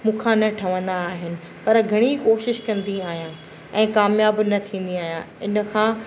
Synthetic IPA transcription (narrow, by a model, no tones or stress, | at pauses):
mũːkʰãːnɐʈʰɐʋə̃nd̪aːɦɪnɪ̆ | pɐɾɡʱɐɽ̃ikoːʃɪʃkɐ̃nd̪iaːɦijãː | ɛ̃ːkaːmjaːbnɐt̪ʰĩːn̆d̪iaːɦjãɪnə̆kʰãː